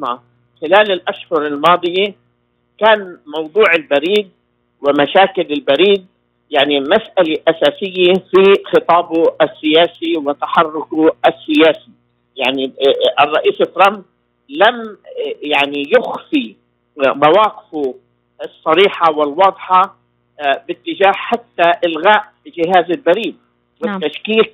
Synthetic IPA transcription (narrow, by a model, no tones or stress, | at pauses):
a | xɪlaːlɪlʔaʃhʊɾɪlmɑːd̪ˤɨja | kaːnmɑwd̪ˤuːʕɪlbaɾiːd̪̚ | wɪmaʃaːkɪlɪlbaɾiːd̪̚ | jaʕnimasʔaleʔasaːsɪjːafixɨt̪ˤɑːbasːɪjaːsiwɪt̪aħɑrˤːʊkuʔasːɪjaːsi | jaʕniɪrˤːɑʔiːst̪ːɾˤɑm | lamjaʕnijʊxfi | mawaːqɪ̥f | ɑsˤːɑɾiːħawɪlwɑːd̪ˤħɑ | bɪt̪ːɪd͡ʒaːhħat̪ːaʔɪlɣaːʔ | d͡ʒɪɦaːzɪlbaɾiːd̪̚ | wɪt̪ːaʃkiːq̚